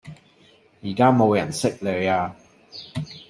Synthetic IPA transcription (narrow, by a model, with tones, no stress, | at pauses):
jiː˨˩kaː˥mo˨wjɐ˨˩nsɪ˥k̚lœ˨˧aː˧